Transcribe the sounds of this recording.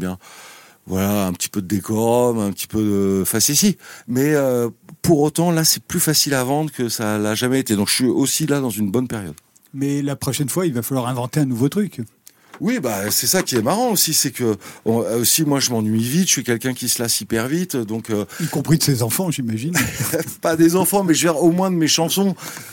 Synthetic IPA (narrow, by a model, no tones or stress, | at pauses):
bjɛ̃ | vwalaɛ̃pə̥t̪i̥pød̪əd̪ekɔʁmɛ̃pət̪i̥pød̪əfasisimɛøpuʁot̪ɑ̃lasɛplyfasilavɑ̃d̪ʁəkəsalaʒamɛet̪ed̪ɔ̃kə̥ʃɥiosilad̪ɑ̃zynbɔnpeʁjɔ̰d̪ | mɛlapχɔʃɛnfwailvafalwaʁɛ̃vɑ̃t̪eɛ̃nuvot̪χyk | wibasɛsakʲiɛmaʁɑ̃osisɛkəɔ̃osimwaʒəmɑ̃nɥivit̪ʃɥikʲɛlkʲɛ̃kʲisəlasipɛʁvit̪d̪ɔ̃køikɔ̃pχid̪əsezɑ̃fɑ̃ʒimaʒinpad̪ezɑ̃fɑ̃mɛʒvɛʁomwɛ̃d̪əmeʃɑ̃sɔ̃